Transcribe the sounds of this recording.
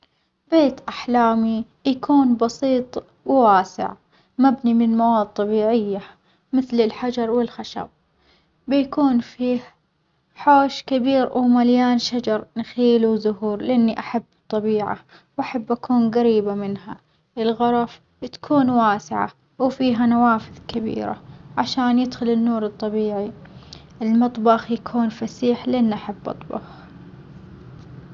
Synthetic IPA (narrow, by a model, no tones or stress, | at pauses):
beːt̪ʔaħlaːmi | jakʰuːnbɑsiːt̪ˤ | wwaːsɪ̰ʕ | mabnimɪnlmawaːd̪̚t̪ˤːɑbiːʕɪjːa | mɪθlɪlħad͡ʒɑɾˤwɪlxaʃa̰b̚ː | ɪjakuːnfiːh | ħoːʃkabiːɾwmaljaːnʃad͡ʒɑɾˤnxiːluwzʊɦuːɾlɪʔanːiʔaħabːt̪ˤːɑbiːʕa̰ | wʔaħabːʔakʰuːnɣaɾiːbamɪnɦa̰ | ʔɪlɣɑɾˤɑf | t̪ḁkʰuːnwaːsɪʕa̰ | wfiːɦanawaːfɪðkabḭːɾa̰ʕaʃaːnjɪd̪xʊlɪnːuːɾɨt̪ˤːɑbiːʕiʔɪlmɨt̪ˤbɑxjakʰuːnfasiːħlʔanːʔaħabːʔɑ̰t̪ˤbɑ̰x